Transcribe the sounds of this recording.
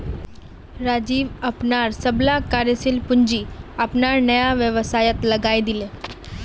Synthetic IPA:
ɾad͡ʑiːʋəpnaɾsəblakaɾjəsilpuɲd͡ʑiːəpnaɾnəjaʋjəʋəsajət̪ləɡajd̪ile

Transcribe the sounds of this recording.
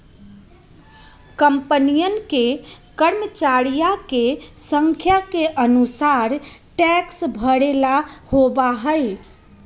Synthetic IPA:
kəmpənijənke | kəɾmət͡ʃaɾijakesəŋkʰjakeʔənusaɾʈɛksbʱəɽelahobaɦəj

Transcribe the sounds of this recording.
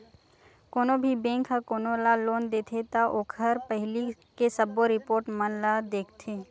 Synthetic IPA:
koːnobʱibẽːŋkʰɦakoːnolaloːnd̪eːt̪ʰet̪aʔoːkʰəɾpəɦɪli | kesɐboɾɪpoːɾʈmənlad̪eːkʰt̪ʰeː

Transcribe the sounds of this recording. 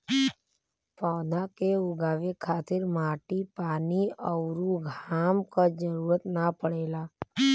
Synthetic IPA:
pɔːd̪akeʊɡaːʋekʰaːt̪ɪɾmaːʈipaːniəʊɾuɡʱaːmkad͡ʒəɾuːɾət̪napəɽeːlaː

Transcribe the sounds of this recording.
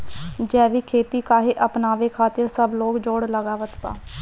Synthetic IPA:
d͡ʒɛːʋiːkʰeːt̪iːkaːɦeːʔəpnaːʋeːkʰaːt̪ɪɾsəbloːɡd͡ʒoːɽləɡaːʋət̪pa̰ː

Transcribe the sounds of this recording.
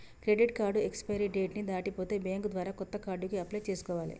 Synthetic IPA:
kɾeɖiʈkaːɾɖuekspɐjɾiɖeːʈnid̪aːʈipo̞ːt̪e̞ːbeːŋɡud̪ʋaːɾaːkɔt̪ːɐkaːɾɖukiɐplɐjt͡ʃeːsu̥kɔːʋaːlḭ

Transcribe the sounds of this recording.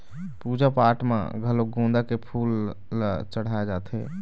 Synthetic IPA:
pud͡ʒapaʈma̰ɡʱəloɡõnd̪akepʰulː | t͡ʃəɽ̤aed͡ʒat̪ɦɛ

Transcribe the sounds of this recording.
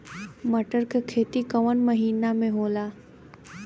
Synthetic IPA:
mɐʈəɾkekʰeːt̪ikɐʋənməɦiːnamẽɦoːlaː

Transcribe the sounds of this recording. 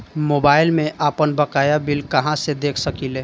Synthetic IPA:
mobaːɪlmẽʔapənbəkajabilkəɦãsed̪eːkʰsəkile

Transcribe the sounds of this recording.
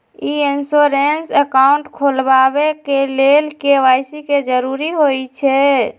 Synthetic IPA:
iinsoɾensəkauɳʈkʰolbaβekelelkeʋajsiked͡ʒəɾuɾiɦojt͡ʃʰɛ

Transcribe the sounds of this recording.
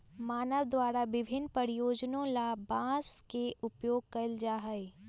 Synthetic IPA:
maːnəʋd̪ʋaːɾaʋɪbʱɪnpɐɾijoːd͡ʒnõlabãːskeʔʊpjoːɡ̚kɐld͡ʒaːɦəe

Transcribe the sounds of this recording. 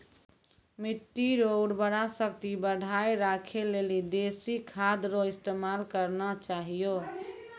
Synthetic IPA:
miʈːiɾoɖbəɽasək̚t̪ibəɽʱajɾakʰelelid̪esikʰad̪ɾoist̪emalkəɾnɔt͡ʃaɦijo

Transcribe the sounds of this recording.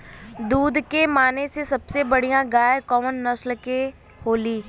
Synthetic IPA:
d̪uːd̪kemaːnesesɐbsebɐɽ̤ijãɡaːjkɔːmənːɐslke | ɦoːliː

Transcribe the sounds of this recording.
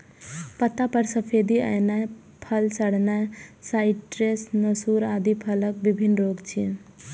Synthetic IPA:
pət̪ːapəɾsəpʰed̪iə̰jnaj | pʰəlsəɽnasaɪʈʈɾesnəsuɾad̪ipʰələk̚bibʱinɾoɡt͡ʃʰi

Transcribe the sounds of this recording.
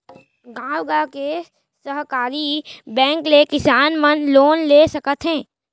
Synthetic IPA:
ɡãːwɡake | səɦkaːɾibɛ̃ːŋklekɪsaːnmənloːnlesɐkət̪ɦɛ̃ː

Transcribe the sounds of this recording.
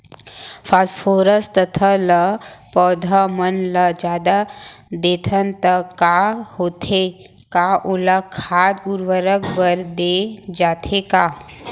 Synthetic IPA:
fʰaːsʈfʰoːɾəst̪ət̪ʰələpɔːd̪ʱamənləd͡ʒaːd̪ad̪eːt̪ʰənt̪əkahoːt̪ʰe | kaʔolakʰaːd̪uɾʋəɾəkbəɾd̪ed͡ʒaːt̪ʰekaː

